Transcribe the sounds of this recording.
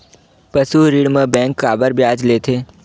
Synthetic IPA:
pəsuɾɪɽmẽbɛ̃ːŋkːaːbəɾbjaːd͡ʒleːt̪ʰeː

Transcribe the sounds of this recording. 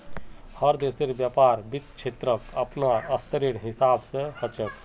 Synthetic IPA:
həɾd̪eseɾbjapaːɾbit̪̚t͡ʃʰet̪ɾəkəpnaəst̪əɾiɽɦɪsaːbsehət͡ʃək

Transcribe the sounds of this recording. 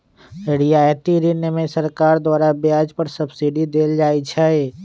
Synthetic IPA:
eɽijaːjt̪iɾinemẽsɐɾkaːɾd̪waːɾabjaːd͡ʒpəɾsɐbsiɖid̪eːld͡ʒaːit͡ʃʰae

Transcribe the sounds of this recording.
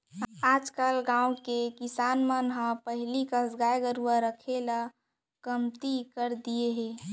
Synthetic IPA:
aːd͡ʒkalɡãːũkekɪsaːnmənɦə̃pəɦlikəsɡaːjɡəɾuwəɾəkʰela | kəmt̪ikəɾd̪ijeɦeː

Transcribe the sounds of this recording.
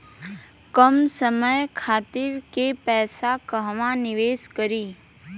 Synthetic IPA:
kəmsəməjkʰaːt̪ɪɾkepɛːsakəɦʋãnɪʋeːskəɾiː

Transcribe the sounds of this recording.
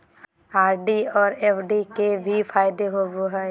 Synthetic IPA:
aːɾɖiɔːɾeːpʰɖikebʱipʰaːjɪd̪eɦoboɦɛː

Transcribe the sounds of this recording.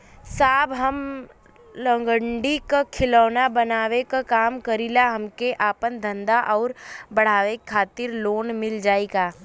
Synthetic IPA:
saːbɦəm | lə̃ŋɡəɳɖikakʰɪlɔːnabənaːʋekakaːmkəɾilaɦɐmkeʔaːpənd̪ʱə̃nd̪aʔɔːɾbɐɽ̤aːʋekʰːaːt̪ɪɾloːnmɪld͡ʒaːeɡaː

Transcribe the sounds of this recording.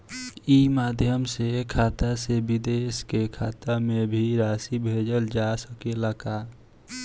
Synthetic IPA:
imaːd̪ʱjəmsekʰaːt̪asebid̪eskekʰaːt̪amebʱiɾaːsibʱed͡ʒəld͡ʒasəkeləka

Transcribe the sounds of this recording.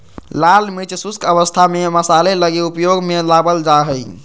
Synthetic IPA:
lalmit͡ʃsuskəbəst̪ʰameməsaleləɡeupjoɡmelabəld͡ʒaɦəj

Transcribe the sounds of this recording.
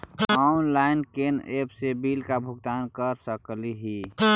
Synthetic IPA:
aʊnlaɪnkenepsebiːlkabʱʊɡt̪aːnkəɾsəkliɦi

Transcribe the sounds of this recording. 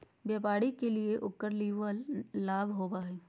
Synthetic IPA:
bjɛːpaːɽikelieʔʊkːəɾliːʋəlːaːbʱɦoːbaːɦeː

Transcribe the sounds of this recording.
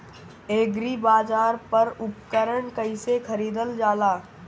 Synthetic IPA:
eːɡɾibaːd͡ʒaːɾpəɾʊp̚kəɾəɳkəɪsekʰəɾiːd̪əld͡ʒaːlaː

